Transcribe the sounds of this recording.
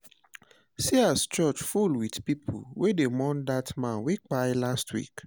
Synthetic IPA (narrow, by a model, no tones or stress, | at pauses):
siast͡ʃɔt͡ʃfulwidpipʰṵwʔedemɔ̃ndatmãnwek͡pajlastʰwḭk